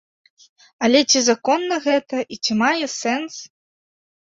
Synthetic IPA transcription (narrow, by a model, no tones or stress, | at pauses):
ɐlʲɛt͡sʲizakɔnːɐɣɛt̪ɐʔit͡sʲimajɛsɛns